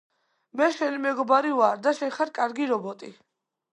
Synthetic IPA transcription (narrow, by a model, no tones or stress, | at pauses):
mɛʃɛlimɛɡɔbaɾivaɾd̪aʃɛχaɾkʼaɾɡiɾɔbɔt̪ʼi